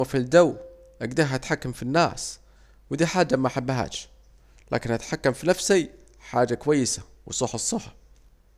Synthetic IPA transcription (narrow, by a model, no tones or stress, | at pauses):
afild̪aw | ʔaɡd̪aɦʔat̪ħakːamfinːa̰ːs | wɪd̪iːħaːd͡ʒːamaħabːaɦa̰ːt͡ʃ | lʔa̰ːkɪnʔat̪ħakːamfinafsi | ħaːd͡ʒakʊwajːɪsa | wɪsˤuːħɑsˤːɑħḁ